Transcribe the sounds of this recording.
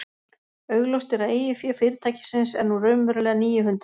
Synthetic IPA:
œɥɣlowst̪ɪɾaðeːjɪfjœːfɪɾɪt̪ʰaːjcɪ̥sɪnsɛɾnurœɥmvœɾlɛːɣaniːjʏɦʏnt̪ɾ

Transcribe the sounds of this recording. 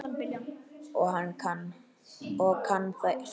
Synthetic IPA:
ɪljaɔɣɦanːkʰan | ɔkʰanːθa

